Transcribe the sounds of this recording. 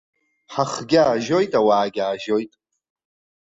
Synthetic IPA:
ħaχɡʲaːʒo̞jtʼawaːɡʲaːʒo̞jtʼ

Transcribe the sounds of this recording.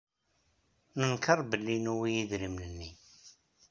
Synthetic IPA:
nənkərˤbəlːinuwijiðɾimlənːi

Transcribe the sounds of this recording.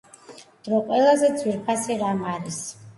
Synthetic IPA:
d̪̥ɾɔqʼwɛlˠazɛd̪zwiɾpʰasiɾamaɾis

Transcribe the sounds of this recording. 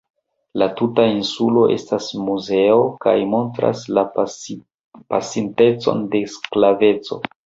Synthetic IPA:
latutainsulo̞ʔe̞̰stasmuze̞oka̰jmo̞ntɾa̰sla | pasinte̞t͡so̞̰nde̞sklave̞t͡so̞

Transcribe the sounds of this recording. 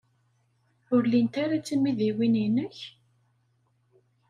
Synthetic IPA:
ʊɾlint̪aɾat͡sːəmːiðiwininəç

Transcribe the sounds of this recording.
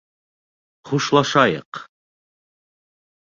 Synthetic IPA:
χuʃlˠɑʃɑjɤ̰q

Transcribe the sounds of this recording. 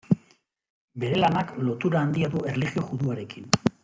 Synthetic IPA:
be̞ɾe̞lanaklo̞t̪uɾaːnd̪iaðue̞rliɣio̞ɣuðuaɾe̞kin

